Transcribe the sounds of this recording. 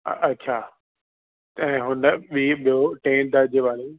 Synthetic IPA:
ɐːɕʰaː | ɛ̃ːɦʊnəɓiɓijoʈẽːnd̪aːd͡ʑeʋaːɽe

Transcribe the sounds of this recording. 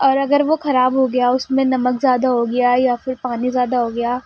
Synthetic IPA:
ɔːɾɐɡəɾʋoxɐɾaːbɦoɡɐjaʊsmẽnɐməkzjaːd̪aɦoɡɐjajafɪɾpaːnizjaːd̪aɦoɡɐjaː

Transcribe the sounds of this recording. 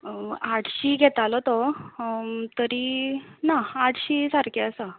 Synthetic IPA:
aʈʰɕiːɡʱɛt̪alɔt̪ɔ | t̪əɾiːnaaʈʰɕiːsaɾkeəsə

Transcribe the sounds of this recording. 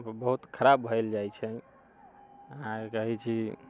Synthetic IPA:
bəɦut̪kʰəɾabbʱəld͡ʒajt͡ʃʰɛ | əɦãkəɦit͡ʃʰi

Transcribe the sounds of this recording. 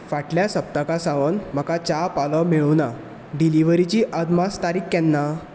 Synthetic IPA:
faʈljasəp̚t̪akasãʋənm̤əkat͡ɕapalɔmeɭuna | ɖiliʋəɾit͡ɕiʔəd̪mast̪aɾiːkːɛnːa

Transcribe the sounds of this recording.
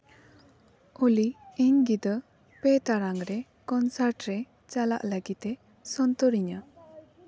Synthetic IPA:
uliiŋɡid̪ə | pet̪aɾaŋɾe | kɔnsaɾʈɾe | t͡ʃala̰ʔlaɡit̪e | sɔnt̪ɔɾiɲa

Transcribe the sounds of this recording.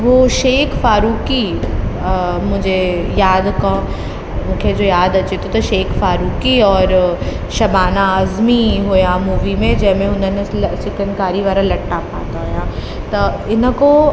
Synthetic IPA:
ʋoʃeːkʰfaːɾuːki | mʊ̃d͡ʒejaːd̪kã | mʊ̃ːkʰed͡ʒoːjaːd̪ɐt͡ʃet̪ʰot̪ɐʃeːkʰfaːɾuːkiɔːɾ | ʃɐbaːnaːzmiɦoːjãmuːʋimẽd͡ʒɐɦmẽʊnənɪt͡ʃɪkənkaːɾiʋaːɾãlɐʈːapa̰ːt̪aɦojãː | t̪ɐɪnə̆ko

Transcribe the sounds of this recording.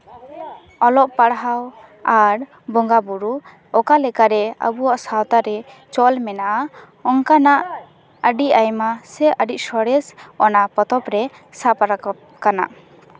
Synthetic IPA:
ɔlɔʔpaɽɦaw | aɾ | bɔŋɡabuɾu | ɔkalɛkaɾɛə̰buwaʔsawt̪aɾɛ | t͡ʃɔlmɛnaʔa | ɔŋkanaʔ | əɖiʔajmasɛʔəɖic̚sɔɽɛsɔnapɔt̪ɔpɾɛ | sapaɾa | kana̰

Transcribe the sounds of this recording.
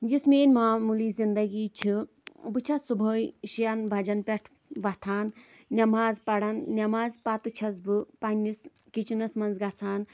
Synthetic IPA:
d͡ʒismeːnʲmaːmuliːzind̪ɐɡiːt͡ʃʰi | bɨt͡ʃʰɐsubʱoːjʃijɐnbʱɐd͡ʒɐnpʲeʈʰ | bɐt̪ʰaːn | nʲɐmaːzpɐɽɐnːɐmaːzpɐt̪ɨt͡ʃʰɐzbɨpɐnʲːis | kit͡ʃinɐsmɐnzɡɐt͡sʰaːn

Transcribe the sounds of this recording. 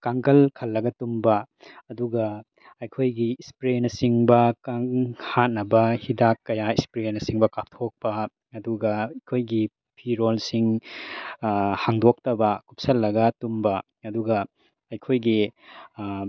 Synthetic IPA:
kaŋkɐlkʰɐlːɐɡɐtumbɐ | ɐduɡɐ | ɐjkʰojɡiispɾenɐsiŋbɐkaŋhat̚nɐbɐhidakːɐjaispɾenɐsiŋbɐkap̚tʰok̚pɐ | ɐduɡɐjkʰojɡi | pʰiɾolsiŋ | haŋdok̚tɐbɐkup̚sɐlːɐɡɐtumbɐ | ɐduɡɐ | ɐjkʰojɡi

